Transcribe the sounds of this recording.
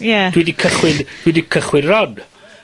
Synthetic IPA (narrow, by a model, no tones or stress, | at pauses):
jad̥widikʰəχwɪnd̥widikʰəχwɪnrɔd